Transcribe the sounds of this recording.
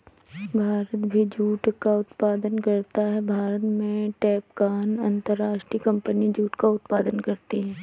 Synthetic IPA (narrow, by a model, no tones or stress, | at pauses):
bʱaːɾət̪bʱid͡ʒuːʈkaʊt̪paːd̪ənkɐɾt̪aɦɛbʱaːɾət̪mẽʈɛːpkaːnɐ̃nt̪əɾːaːʃʈɾikɐ̃mpənid͡ʒuːʈkaʊt̪paːd̪ənkɐɾt̪eɦɛ̃ː